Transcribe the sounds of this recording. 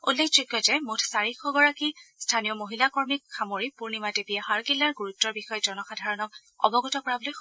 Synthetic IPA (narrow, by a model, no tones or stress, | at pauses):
ṵlːekʰzɔɡɔzɛmutʰsaɹixɔɡɔɹakistʰanijɔmoɦilakɔɹmikxamoɹipuɹnimatepijaxaɹkilːaɹɡuɹutːɔɹbixɔjɔzɔnɔxadʱaɹɔnɔk̚ | ɔ̰bɔɡɔtɔkɔɹaboluj